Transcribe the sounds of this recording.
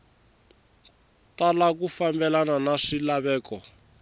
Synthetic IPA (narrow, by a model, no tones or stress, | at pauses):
talak̬ufambɛlananaʂilaβɛːkɔ